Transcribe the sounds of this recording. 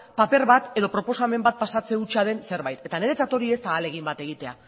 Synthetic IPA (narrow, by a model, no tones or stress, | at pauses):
pape̞ɾβat̪e̞ðo̞pɾo̞po̞same̞mbat̪̚pasat͡se̞ut͡ʃað̞e̞nse̞ɾβajt̪e̞t̪ane̞ɾe̞t͡sat̪o̞ɾie̞st̪aːle̞ɣ̞imbat̪e̞ɣ̞it̪e̞a̰